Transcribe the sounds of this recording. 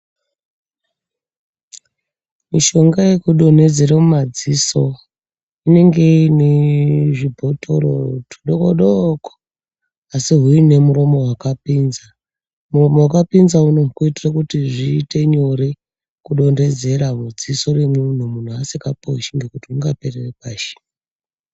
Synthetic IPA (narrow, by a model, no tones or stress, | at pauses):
miʃo̞ŋɡajekuɗo̞n̤e̞d͡ze̞ɾemumad͡ziso̞ | ine̞ŋɡe̞neʐibʱo̞tʰo̞ɾo̰tʰu̥ɗokoɗoko̥ | asiɦuine̞muro̞mo̞ɦwakapiːnza | muro̞mowakapinzaunoukuitirakutiʐiːte̞ɲo̞ɾe | kuɗo̞nde̞d͡ze̞ɾamud͡ziso̞ɾemun̤umun̤uasekapouʃiŋɡekutiuŋɡape̞rerepaːʃe̥